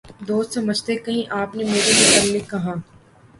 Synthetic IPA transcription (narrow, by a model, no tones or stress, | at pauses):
d̪oːst̪sɐməd͡ʒt̪ekɐɦĩʔaːpnemeːɾebɪtɐllekɐɦaː